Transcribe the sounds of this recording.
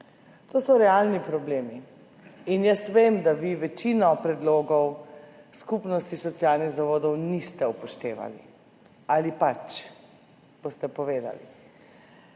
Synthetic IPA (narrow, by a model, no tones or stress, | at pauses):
t̪oːsɔɾɛalnipɾɔbleːmi | injəsʋeːmd̪aʋiʋɛt͡ʃiːnɔpɾɛd̪loːɡɔwskupnɔst̪isɔt̪sijalniɣzaʋoːd̪ɔwnist̪ɛupɔʃt̪eːʋa̰lḭ | alipat͡ʃ | b̥ost̪ɛpɔʋeːd̪a̰lḭ